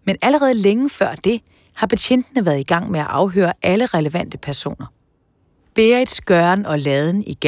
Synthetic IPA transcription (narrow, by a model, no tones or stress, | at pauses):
menæləʁɛːð̞̩ˠleŋəfɶɐ̰d̥e̝ | hɑ̈pʰæɕʰen̰d̥ənəʋæːɐð̞̩ˠiɡ̥ɑ̈ŋ̰meæʔɑ̈ʊɦø̰ːɐʔæləʁɛləʋæn̰d̥əpʰæɐso̝̰ːnɐ | b̥eːɐid̥sɡ̥ɶɐnɒ̽lɛð̞ˠn̩iɡ̥e